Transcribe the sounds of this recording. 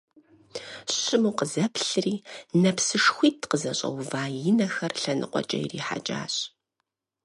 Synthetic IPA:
ɕɪmuːqəzɐpɬɨriːnɐpsɨʂxʷiːtʰqəzɐɕʼɐ̰wvaːjɪnɐxɐrɬɐnɨ̰qʷɔ̰t͡ʃʼɐ̰jɪrḭːħa̰t͡ʃʼa̰ːɕʼ

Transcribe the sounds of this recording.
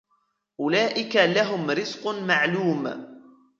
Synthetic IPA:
ʔʊlaːʔɪkalaɦʊmɾɪzqmaʕluːm

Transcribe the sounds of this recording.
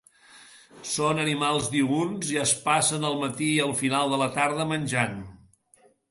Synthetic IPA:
sonənimalˠzd̪iunziəspasənəlˠmət̪iəlˠfinalˠd̪ələt̪aɾð̞əmənʲʒan

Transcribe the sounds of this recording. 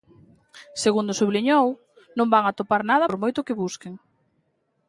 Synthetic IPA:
seɣund̪ʊsuβliɲow | nõmbaŋat̪opaɾnað̞ɐɾmojt̪ʊkɪβuskeŋ

